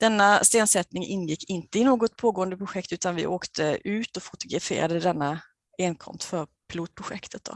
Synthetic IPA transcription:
d̪̥ɛnːast̪eːnsɛt̪nɪŋʔɪnːjɪkʰːɪnt̪əɪnoːɡɔt̪̚pʰoːɡoːənd̪əpʰɾʊɧɛkt̪ʉ̟ːt̪anvɪ̰ʔoːkt̪ʰəʉ̟ːt̪ɔfʊt̪ʊɡɾafḛːɾad̪əd̪ɛnːa | eːnkʰɔ̰mst̪fœɾ | pʰɪluːt̪̚pʰɾʊɧɛkt̪ʰət̪̚d̪ɔ̰

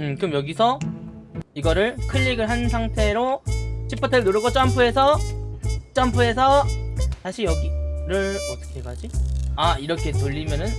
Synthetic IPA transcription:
ɯmkɯmjʌɡisʰʌ | iɡʌɾɯɭkʰɯʎːiɡɯɭɦansʰaŋtʰe̞ɾot͡ɕʰip͈ʰʌtʰɯɯɭnoɾɯɡʌt͡ɕ͈ʌampʰue̞sʰʌ | t͡ɕ͈ʌmpʰuɦe̞sʰʌsaɕʰijʌɡiɾɯɭʌt͈ʌ̥kʰeɦeɡad͡ʑiaiɾʌkʰe̞toʎːimjʌnɯn

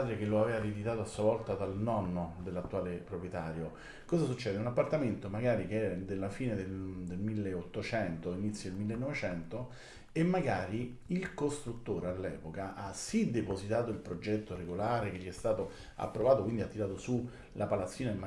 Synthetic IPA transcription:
d̪ɾek̟eloavɛːvaɾid̪it̪aːt̪oasːuavɔlt̪ad̪alnɔnːod̪elːat̪ːuaːlepɾopɾjet̪aːɾjo | kɔːzasut͡ʃːɛːd̪eunapːart̪ament̪omaɡaːɾikeɛd̪elːafiːned̪eld̪elmilːeot̪ːot͡ʃɛnt̪oinit̪sːjod̪elmilːenːɔvet͡ʃɛnt̪o | emːaɡaːɾiilkost̪ɾut̪ːoːɾealːɛ̰ːpokaʔasid̪epozit̪aːt̪oilpɾod͡ʒɛt̪ːoɾeɡolaːɾekeʎːiɛst̪aːt̪o | a̰pːɾovaːt̪okwind̪iat̪ːiɾaːt̪osu | lʔapalat̪sːiːnama

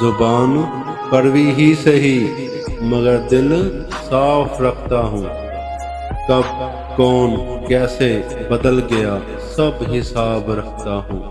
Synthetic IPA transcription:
zʊbaːn | pəɾʋiːɦiːseɦiː | məɡəɾd̪ɪl | saːpʰɾəkʰt̪aːɦũː | kəb̚ | kɔːn | kɛːseː | bəd̪əlɡɪjaː | səbɦɪsaːbɾəkʰt̪aːɦũː

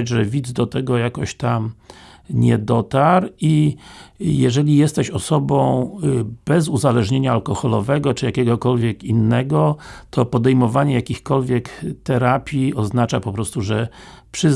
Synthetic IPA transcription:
ad͡ʑʐɛvʲid̪zd̪ɔt̪ɛɡɔjakɔɕt̪am | ɲɛd̪ɔt̪aɾi | jɛʐɛlʲijɛst̪ɛɕɔsɔbɔ̃w̃b̥ɛzuzalɛʐɲeɲaalkɔxɔlɔvɛɡɔt͡ʂɘjakʲɛɡɔkɔlvʲjɛkinːɛɡɔt̪ʰɔpɔd̪ɛjmɔvaɲɛjakʲixkɔlvʲjɛkt̪ɛɾapʲjiɔznat͡ʂapɔpɾɔst̪uʐɛpʂɘ

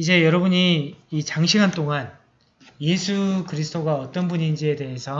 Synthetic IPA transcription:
id͡ʑe̞jʌɾʌbuɲiːt͡ɕaŋɕʰiŋɦant͈oŋan | je̞sʰukɯɾisʰɯdʰoɡaʌt͈ʌnbuɲind͡ʑie̞de̞ɦe̞sʰʌ

